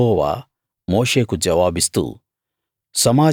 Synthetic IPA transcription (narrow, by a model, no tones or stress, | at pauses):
ɔːʋa̰ː | moːʂeːkud͡ʒɐʋaːbist̪ṵ | sɐmaː